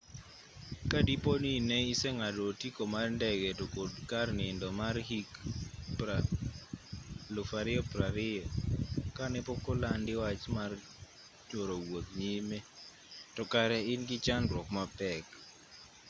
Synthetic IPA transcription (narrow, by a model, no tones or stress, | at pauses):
kadiponinɛisɛŋadotikomarndɛɡɛtokodkarnɪndɔmarhikpa | lʊfaɾɪɔpɾaɾɪɔkanɛpɔkɔlandɪwat͡ʃmar | t͡ʃoɾowot̪̚ɲime | tɔkaɾɛɪnɡɪt͡ʃandɾwɔkmapɛk